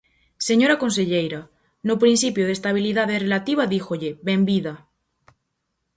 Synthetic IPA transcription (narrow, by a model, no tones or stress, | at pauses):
se̞ɲoɾakonseʎejɾa | nopɾinsipjoð̞est̪aβ̞iliðað̞erelat̪iβ̞aðixoʎeβembiða